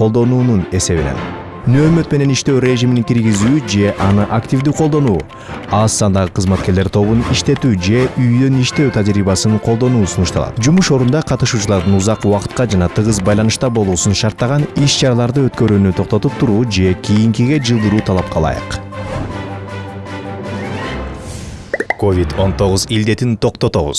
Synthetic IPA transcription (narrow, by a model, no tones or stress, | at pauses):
qo̞lˠd̪o̞nuːnune̞se̞βḭnḛn | nøːmø̞t̪me̞ne̞niʃt̪ø̞wɾʲe̞ʒiminiŋkʲiɾɡizyːd͡ʒe̞ʔɑnɯʔakt̪ʲivd̪yqʰolˠd̪o̞nuː | ɑsɑnd̪ɑʁɯqʰɯzmɑt̪̚ke̞ɾle̞ɾt̪ʰo̞βuniʃt̪e̞t̪yd͡ʒe̞ʔyjd̪ø̞niʃt̪e̞wt̪ʰad͡ʒɾiːβɑsɯnqʰo̞lˠd̪o̞nuːsunuʃt̪ɑlˠɑ̰t̪d͡ʒumuʃo̞ɾund̪ɑqʰɑt̪ɯʃuːt͡ʃulˠɑɾd̪ɯnuzɑquwɑqɯ̥t̪̚qɑd͡ʒɑnɑt̪ʰɯʁɯzbɑjlˠɑnɯʃt̪ɑbo̞lˠuːsunʃɑɾt̪ːɑʁɑniʃt͡ʃɑɾɑlˠɑɾd̪ɯøt̪kø̞ɾyːnyt̪ʰo̞q̚t̪o̞t̪up̚t̪ʰuɾuːd͡ʒe̞kʲʰijiŋkiɡe̞d͡ʒɯlˠd̪ɯɾuːt̪ʰɑlˠɑp̚qʰɑlˠɑ̰jɯ̰q | ko̞vʲit̪o̞nt̪o̞ʁuzild̪e̞t̪int̪ʰo̞qt̪o̞t̪o̞βṵz